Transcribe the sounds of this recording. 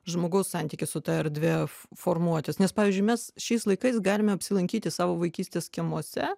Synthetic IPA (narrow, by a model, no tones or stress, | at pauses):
ʒmoːɡɐʊssɑnʲt̪ʲiːkʲɪsʊt̪ɑɛɾd̪ʲʋʲefoːrmuɔt̪ʲɪsnʲɛspɑːʋʲiɪzʲd͡ʒʲʊɪmʲɛsʃʲɛɪslˠɐɪkɐɪsɡɑːlʲɪmʲɛɐpʲsʲɪlˠɐŋʲkʲiːt̪ʲɪsɑːʋoːʋɐɪkʲiːst̪ʲeːskʲiɛmuɔsʲɛ